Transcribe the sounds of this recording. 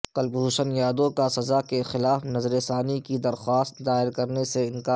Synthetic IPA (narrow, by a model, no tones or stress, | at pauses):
qɐlbɦuːʃənjaːd̪õkasɐzakexɪlaːfnɐzɾesaːnikid̪ɐɾxwaːst̪̚d̪aːɪɾkɐɾneseɪnkaː